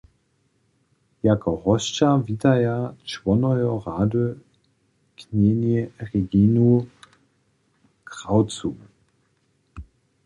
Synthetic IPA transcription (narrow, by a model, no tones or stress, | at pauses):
jakʰɔʁɔst͡ʃaviːtajat͡ʃv̥ɔnɔjɔʁaːdø | kʰneniʁeɡinu | kʁ̥awt͡su